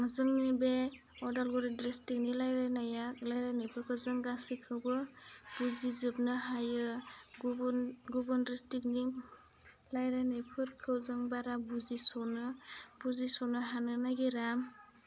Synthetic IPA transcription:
ŋɯzɯŋnibe | ɔdalɡɔɾɯdɾestik̚nilajɾajnajalajɾajnajpʰɯɾkʰɯwzɯŋɡasikʰɯwbɯb̥uzizɯp̚nɯɦajɯɡɡubɯndɾestik̚ni | lajɾanajpʰɯɾkʰɯwzɯŋbaɾabuzisɔnɯbuzisɔnɯɦanɯnaɡiɾam

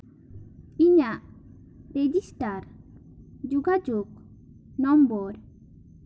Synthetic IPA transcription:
iɲaʔ | ɾed͡ʒisʈaɾ | d͡ʒuɡad͡ʒuk | nɔmbɔɾ

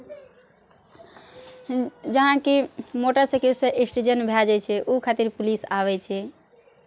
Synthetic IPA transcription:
d͡ʒəɦãkimoʈəsekiseʔesʈed͡ʒənbʱɛd͡ʒat͡ʃʰɛʔukʰat̪iɾpulisaβɛt͡ʃʰɛ

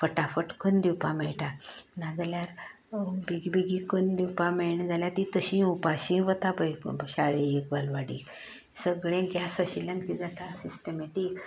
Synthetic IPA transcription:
fəʈafəʈkʰənd̪iwpamɛjʈanaɡljaɾ | biɡbiɡikənd̪iwpameɳd͡zʱaljat̪it̪əɕĩupaɕĩʋət̪apəjɕaɭeekbalʋaɽik | səɡɭẽɡasaɕilãnkid͡zat̪asisʈəmeʈik

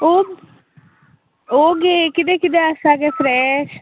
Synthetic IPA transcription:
oː | oːɡeːkɪd̪eːkɪd̪eːəsaːkeːfʰɾɛːʃ

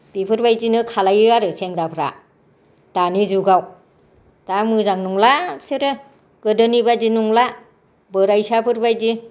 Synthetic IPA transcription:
b̥ipʰɯɾbajd͡ʒinɯkʰalajɯaɾɯseŋɾapʰɾa̰ | d̥anizuɡaw | d̥amɯzaŋnuŋlasɯɾɯ | ɡɯdɯnibad͡ʒinuŋla | bɯɾajsapʰɯɾbajzi

